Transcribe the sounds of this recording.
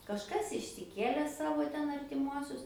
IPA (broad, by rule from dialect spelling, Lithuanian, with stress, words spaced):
kɐʃˈkɐs ɪʃʲsʲɪˈkʲeːlʲɛ ˈsɑːʋoː ˈtʲɛn ɐrʲtʲɪˈmuɔsʲʊs